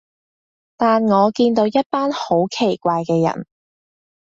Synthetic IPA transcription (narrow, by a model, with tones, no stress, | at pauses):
t̪aː˨nŋɔː˨˧kiː˧nt̪o˨˧wjɐ˥t̚paː˥nho˨˥wkʰe˨˩jkʷaː˧jkɛː˧jɐ̰˨˩n